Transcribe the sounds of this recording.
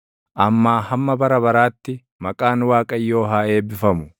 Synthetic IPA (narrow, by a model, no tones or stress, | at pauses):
ʔɐmːaːhɐmːɐbɐɾɐbɐɾaːt̪ːɪ | mɐkʼaːnwaːkʼɐjːo̞ːɦaːe̞ːbɪfɐmʊ